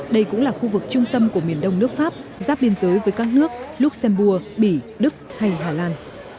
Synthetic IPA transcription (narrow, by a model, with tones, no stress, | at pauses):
ɗə˧jkʊ̰˧˥ŋ͡mlaː˨˩xu˧vɨ˨˩k̚t͡ɕʊ˧ŋ͡mt̪ə˧mku˧˩əmi˨˩ənɗə˧wŋ͡mnɨ˦˥ək̚faː˦˥p̚zaː˦˥p̚ɓi˧ənzəː˨˦jvəː˨˦jkaː˦˥k̚nɨ˦˥ək̚lʊ˦˥k͡p̚sɛ˧mɓu˧əɓi˧˩ | ɗɨ˦˥k̚ha˧jɦaː˨˩laː˧n